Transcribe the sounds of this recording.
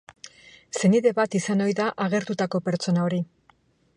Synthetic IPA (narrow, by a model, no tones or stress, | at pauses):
se̞niðe̞βat̪isano̞jðaʔaɣ̞e̞ɾt̪ut̪ako̞pe̞ɾt͡so̞nao̞ɾi